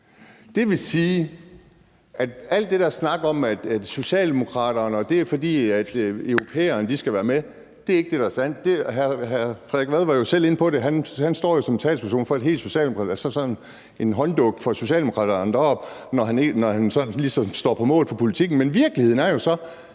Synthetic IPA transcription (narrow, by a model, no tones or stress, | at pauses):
d̥e̝ʋe̝siː | ʔæd̥æl̰d̥ːe̝dɑ̈snɑ̈ɡ̥ɐɒ̽mæd̥æd̥so̝ɕɛ̰ːld̥e̝mo̝kʰʁɑ̰̈ːɾ̥ɐːnɒ̽d̥e̝æɐfɒ̽d̥ḭːæd̥øʊʁopʰḛːɐːnəd̥isɡ̥æʋæːɐme | d̥e̝æɐe̝ɡ̥əd̥e̝ɾ̥ɑɐsæn̰d̥̚d̥e̝ɦæɐhæɐfɛðˠɡ̥ʋæð̞ˠʋɑ̈jo̝sel̰e̝nəpʰɒ̽ɾeɦænhænsd̥ɒ̰ːjo̝sɒ̽mt͡sʰɛ̰ːlspʰæɐso̝̰ːnfɒ̽æd̥e̝̰ːlso̝ɕɛ̰ːldemokʰɑ̰æsɒsɒ̽nn̩ | e̝nɦɒ̽nd̥ɔ̽ɡ̥̚fɒ̽so̝ɕɛ̰ːldemo̝kʰʁɑ̰ːdɐɑnd̥ɐɒ̽b̥nɒɦænenɒhænsɒ̽n̩lisɒ̽msd̥ɒ̰ːpʰɒ̽mɔ̰ːlfɒ̽pʰo̝lit͡sʰiɡ̥n̩menʋiɐɡ̥liheð̰ˠn̩æɐjo̝sɒ̽